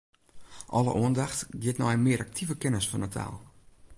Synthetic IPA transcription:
ʔɔlə̰ʔuəndaxtɡiətnɔjmɪəɾʔak̚tʰivəkɪnəsfɔnətʰa̰lˠ

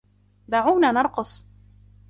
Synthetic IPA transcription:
d̪aːʕuːnaːnɑɾˤqʊsˤ

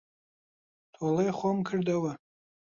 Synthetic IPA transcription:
tʰwalajχʷomkʰɨrdawa

